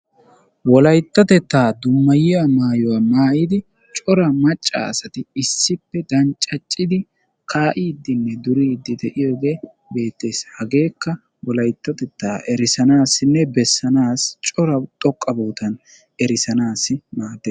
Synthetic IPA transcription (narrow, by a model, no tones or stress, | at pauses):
wɔlɐjt̪ːɐt̪ɛt̪ːaːd̪ʊmːɐjɪjamaːjɔwamaːjɪd̪ɪ | t͡ʃʼɔɾɐmɐt͡ʃʼːa̰ɐsɐt̪ɪɪsːɪpːɛd̪ɐnt͡ʃʼːɐt͡ʃʼːɪd̪ɪ | kʰaːʔiːd̪ːɪnːɛd̪ʊɾiːd̪ːɪd̪ɛʔɪjo̞ːɡe̞ː | be̞ːt̪ːe̞ːshɐɡe̞ːkːɐ | wɔlɐjt̪ːɐt̪ɛt̪ːaːʔɛɾɪsɐnaːsːɪnːɛbɛsːɐnaːst͡ʃʼɔɾɐt̪ʼɔkʼːɐboːt̪ɐn | ɛɾɪsɐnaːsːɪmaːd̪ːeːs